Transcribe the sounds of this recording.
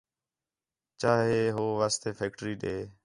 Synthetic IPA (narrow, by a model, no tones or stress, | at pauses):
t͡ʃaːɦeːɦoːʋaːst̪eːfʰeːk̚ʈəɾiːɗeː